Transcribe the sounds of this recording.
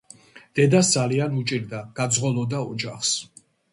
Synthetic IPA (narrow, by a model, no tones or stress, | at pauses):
d̪̥ɛd̪asd̪z̥alianut͡ʃʼiɾd̪aɡ̥ad̪zʁɔlˠɔd̪aɔd͡ʒaχs